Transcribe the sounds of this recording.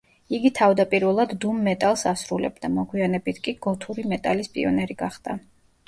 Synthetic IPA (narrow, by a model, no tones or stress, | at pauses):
iɡit̪ʰavd̪apʼiɾvɛlˠad̪ːumːɛt̪ʼalˠsasɾulɛ̰b̚d̪amɔɡwianɛbit̪ʰkʼiɡɔt̪ʰuɾimɛt̪ʼalispʼḭɔnɛɾiɡaχd̪̥a